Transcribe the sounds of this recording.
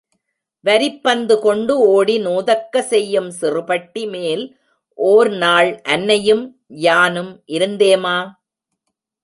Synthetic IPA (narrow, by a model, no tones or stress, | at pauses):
ʋɐɾɪpːɐnd̪ɯkɔɳɖɯoːɽinuːðɐkːɐsɛjːɯmsɪrɯpɐʈːimeːl | ʔoːɾnaːɭʔɐnːɐjɯm | jaːnɯmʔɪɾɯnd̪eːmaː